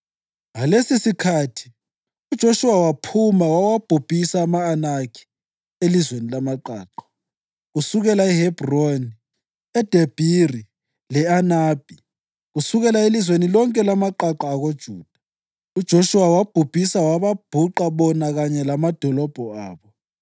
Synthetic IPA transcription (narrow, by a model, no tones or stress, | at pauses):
ŋalesisikʰatʰi̥ | ud̥ʒ̥ʱoʃuwawapʰumawawab̥ʱub̥ʱisaːmaːnakʰi̥ | elizwenilamaǃa̰ːǃḁ | ɣusuɣɛlaɛhɛb̥roni | ɛd̥ʱeb̥ʱiri | lɛanaːb̥ʱi | ɣusuɣɛlaelizwenilɔŋkʼɛlamaǃaǃaːɣod̥ʒ̥ʱuːd̥ʱa | ud̥ʒ̥ʱoʃuwawab̥ʱub̥ʱisawaβab̥ʱuǃaβɔnaɣaɲɛlamad̥ʱɔlɔb̥ʱɔaːβɔ